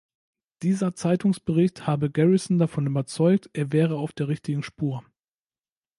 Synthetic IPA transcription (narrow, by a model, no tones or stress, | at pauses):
d̥iːzɐt͡saɪtʊŋsb̥əʁɪçthaːbəɡɛʁɪsn̩dafɔnybɐt͡sɔʏk̚tʔeːɐvɛːʁ̞əaʊfd̥eːʁɪçtɪɡŋ̩ʃpuːɐ